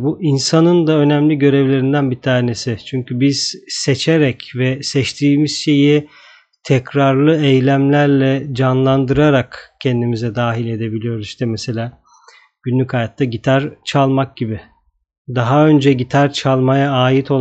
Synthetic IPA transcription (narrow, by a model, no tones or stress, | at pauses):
buʔinsanɯnd̪aø̞næmlʲiɟø̞ɾevlʲe̞ɾind̪ænbit̪ʰaːne̞sit͡ʃʰyɲcʰybiz̥set͡ʃʰeɾɛcvɛsɛt͡ʃt̪ʰiːmiz̥ʃe̞ji | t̪ʰɛcɾaɾlˠɯejlʲæmlʲæɾlʲɛd͡ʒanlˠand̪ɯɾaɾakcʰɛnd̪imizɛd̪aːɦilʲe̞d̪e̞bilʲijo̞ɾuziʃt̪ɛmɛse̞lʲaː | ɟ̥ynlʲycajat̪ʰːaɟit̪ʰaɾt͡ʃʰalˠmak̚ɟibɪ | d̪aɦaø̞nd͡ʒɛɟit̪ʰaɾt͡ʃʰalˠmajaːjit̪ʰo̞lˠ